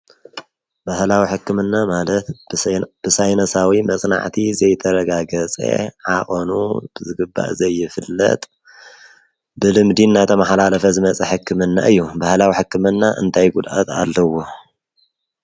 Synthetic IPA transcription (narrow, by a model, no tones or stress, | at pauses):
bahlawiħɨkːɨmɨnːamalɐt̪b̥ɨsajnɐsawimɐsʼna̰ʕt̪ʰizɐjt̪ʰɐɾɐɡaɡɐt͡sʼḛʕaχʼonṵb̥ɨzɨɡɨbːa̰ʔzɐjːɪfɨlːɐ̰t̪ʼ | bɨlɨmd̪inːat̪ʰɐmaħlalɐfɐzɨmɐt͡sʼɐħɨkːɨmɨnːa̰ʔɨjːubahlawiħɨkːɨmɨnːaʔɨ̰nt̪ʰajɡud̪ʔa̰t̪ʰa̰lːɐwo